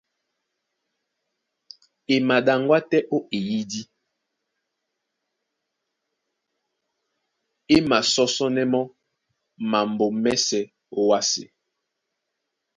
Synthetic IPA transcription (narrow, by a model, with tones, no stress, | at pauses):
e˨ma˨ɗa˨ŋ˦ɡwa˦tɛ˦ʔo˦e˨ji˦di˦ | e˦ma˨sɔ˦sɔ˦nɛ˦mɔ˦ | ma˨mbo˨mɛ˦sɛ˦ | o˦wa˦sḛ˨